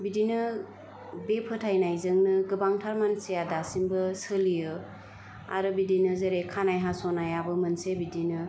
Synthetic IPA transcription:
bidinɯ | bepʰɯtʰajnajzɯŋnɯɡɯbaŋtʰaɾmansijadasimbɯsɯlijɯ | a̰ɾɯbidinɯzeɾekʰanajɦasɔnajabɯmɯnsebidinɯ

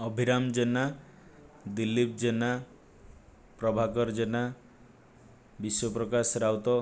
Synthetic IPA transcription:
ɔbʱiɾamd͡ʒena | d̪ilːip̚d͡ʒena | pɾɔbʱakɔɾd͡ʒena | biswɔpɾɔkasɾawt̪ɔ

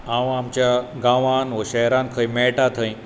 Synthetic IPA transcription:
ãʋamt͡ɕjaɡãʋanʋəɕɛɦɾãnkʰəjmɛɭʈat̪ʰə̃ĩ

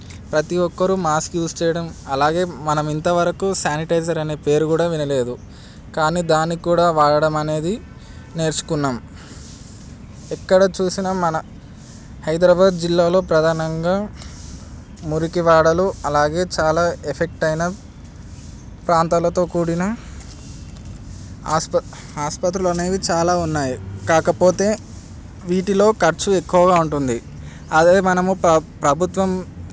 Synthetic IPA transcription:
pɾɐt̪iʋɔkːɐɾumaːskjuːst͡ʃɛːjɐɽɐmɐlaːɡe̞ːmɐnɐmint̪ɐʋɐɾɐkusaːniʈɐjzɐɾɐne̞ːpe̞ːɾukuːɽaːʋinɐle̞ːd̪u | kaːniːd̪aːnːikuːɽaːʋaːɽɐɽɐmɐne̞ːd̪i | ne̞ːɾt͡ʃu̥kunːaːm | ɛkːɐɽɐt͡ʃuːsinɐmɐnɐ | hɐjd̪ɾaːbaːd̪d͡ʒilːaːlo̞ːpɾɐd̪ʱaːnɐŋɡaː | muɾikiʋaːɽɐluɐlaːɡe̞ːt͡ʃaːlaːepʰe̞k̚ʈɐjnɐ | pɾaːnt̪aːlɐt̪o̞ːkuːɽinɐ | spɐ | aːspɐt̪ɾulɐne̞ːd̪it͡ʃaːlaːunːaːjikaːkɐpo̞ːt̪e̞ː | ʋiːʈilo̞ːkɐɾt͡ʃuekːuʋɐɡaːuɳʈund̪i | ɐd̪eːmɐnɐmupɾɐbʱut̪ʋɐm

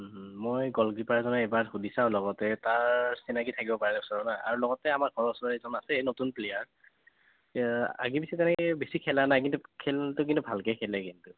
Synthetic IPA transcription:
mojɡɔlɡɹipaɹazɔnɛejbaɹxudʱisãʊ̃lɔɡɔtɛtaɹsinakitʰakibɔpaɹɛlɛɔsɔɹɔnaja̰ɹulɔɡɔtɛamaɹɡʱɔɹɔsɔaezɔnasɛnotunplejaɹ | a̰ɡipisɛtɛnɛkɛbesikʰɛlaɹnajkintukʰɛltʊk̬intubʱalkɛkʰɛlɛkintʊ

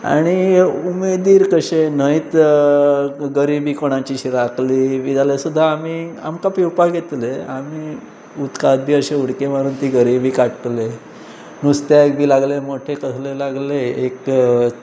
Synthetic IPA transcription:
a̰ɽ̃iumed̪iːɾkəɕenəjt̪ | ɡəɾibiːkoɽ̃at͡ɕiːɕiɾakliʋid͡zalesud̪ʱːaːmiːa̰mkapiwpaɡʱet̪leamiː | ut̪kad̪̚bʱiːəɕeuɽkeməɾuːnt̪iɡəɾibʱiːkaʈle | nust̪jaek̚bʱiːlaɡlemoʈʰekəslelaɡleek

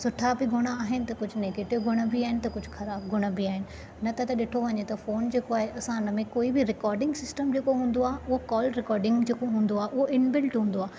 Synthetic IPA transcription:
sʊʈʰabɪɡʱʊɽ̃aaːɦɪnɪ̆t̪ɐkʊd͡ʑʱʊneːkeːʈɪʋɡʱʊɽ̃əbiaːɦɪnɪ̆t̪ɐkʊd͡ʑʱʊxɐɾaːb̚ɡʱʊɽ̃əbiaːɦɪnɪ̆ | nɐt̪ɐt̪ɐɗɪʈʰoʋɐɲet̪ɐfoːnd͡ʑeːkoaːɦeʔɐsãnmẽkoːibɪɾɪkɔːɾɖɪ̃ŋɡsɪsʈəmd͡ʑeːkoɦũːn̆d̪oaːɦʊɦokɔːlɾɪkɔːɾɖɪ̃ŋɡd͡ʑeːkoɦũːn̆d̪oaːɦʔʊɦoʔɪnbɪlʈɦũːn̆d̪oaː

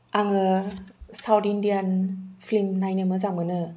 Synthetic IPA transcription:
aŋɯ | sawtindianpʰlimnajnɯmɯzaŋmɯnɯ

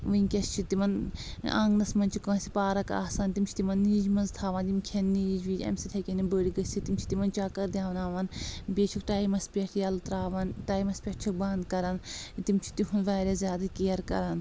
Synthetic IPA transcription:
ʋɨinʲkʲɐst͡ʃʰit̪imɐna̰ŋɡnɐsmɐnt͡ʃʰikɐːsipaːɾɐka̰ːsaːnt̪imt͡ʃʰt̪imɐnːiːd͡ʒmɐnzt̪ʰaːʋaːnt̪imkʰɐnːiːd͡ʒʋiːd͡ʒɐ̰msit̪ʰɐkʲenibəːɽiɡɐsʲt͡ʃʰit̪imt͡ʃʰi̥t̪imɐnt͡ʃaːkɐɾd̪ʲjaːʋɐnaːʋɐnbʲeːt͡ʃʰukʈaːjmɐspʲɐʈʰjɐlt̪ɾaːʋɐnʈaːjmɐspʲɐʈt͡ʃʰikbɐnd̪kɐɾɐnt̪imt͡ʃʰi̥t̪iɦunʋaːɾʲaːzʲjaːd̪ɐkijɐɾkɐ̰ɾaːn

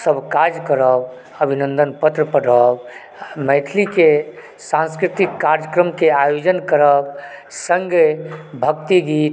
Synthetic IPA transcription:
səbʱkaɾd͡ʒkəɾəb | əbʱinənd̪ənpət̪ɾəpəɽəb | məɪt̪ʰlike | sãnskɾit̪ikːaɾd͡ʒjəkɾəmkeajod͡ʒənkəɾəbsə̃ŋɡebʱəkt̪iɡit̪

